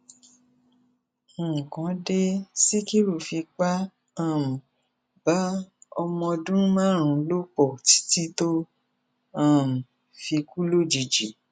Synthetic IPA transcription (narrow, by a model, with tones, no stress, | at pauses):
kã˨˦de˧si˦ki˦ɾu˦˨fi˧k͡pa˦ | ã˦˨m̩˨ | ba˨˦ɔ˧mɔ̃˧dũ˦mãː˦˨ɾ̃ũ˧lo˦k͡pɔ˦˨ti̥˦ti˦to˦ | ã˦˨m̩˨ | fi˧ku˦lo˦d͡ʒi˨d͡ʒi˨˦